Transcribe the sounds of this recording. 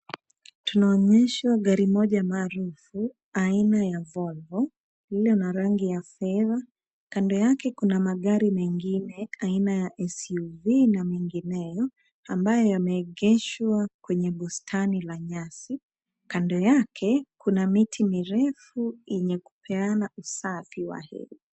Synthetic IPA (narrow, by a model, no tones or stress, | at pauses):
tunaɔɲɛʃwaɠaɾimɔʄamaːɾufu | ainajavɔlvɔ | lilɔnaɾaŋɡijafɛða | kandɔjakɛkunamaɠaɾimɛŋɡinɛainajaʔɛsuvinamiŋɡinɛjɔ | ambajɔjamɛːɠɛʃwakwɛɲɛɓustʰanilaɲasi | kandɔjakʰɛkunamitʰimiɾɛfuiɲɛku̥pʰɛanausafiwa̰hɛ̰ɾi